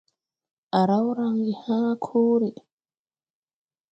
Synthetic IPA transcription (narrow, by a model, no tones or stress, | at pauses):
ʔaɾawɾaŋɡihaːkʰoːɾi